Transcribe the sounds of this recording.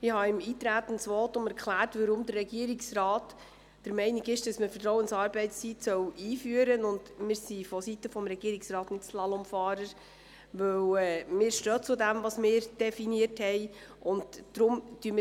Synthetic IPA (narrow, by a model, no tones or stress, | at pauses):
ɪhɑɪmiːt̪ɾæːt̪ən̩sʋɔtʊmɛɾkχlæːɾtʋəɾʊmdərːɛɡiəɾiksrɑːt | d̥əɾmɛɪnɪɡɪʃd̥ɑsməfətɾɔʊwənsɑːɾbɛɪtst͡sitsœwiːfyːəɾənʊndmɪːɾsifɔsitəfɔmɾɛɡiəɾɪksrɑːtnɪtslɑlɔmfɑːɾəɾ | ʋɵwɛːmɪːɾʃtøːt͡sʊdæmvɑsmɪːɾd̥ɛfiniəɾthɛɪ | ʔʊndd̥ɾʊmd̥yəmɪ